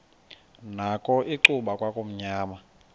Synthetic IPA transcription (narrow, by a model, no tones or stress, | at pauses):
nakʼɔʔiǀuɓakʼwakʼom̩ɲaːma